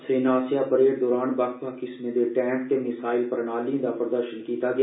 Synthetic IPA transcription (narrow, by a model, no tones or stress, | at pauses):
seːnaːsjapəɾeːʈd̪ɔːɾaːnbakpakɪsmẽd̪eʈɛ̃ːmp̚t̪emɪsaːɪlpəɾɳ̃aːliõd̪apɾəd̪əɾʃənkiːt̪aɡɐ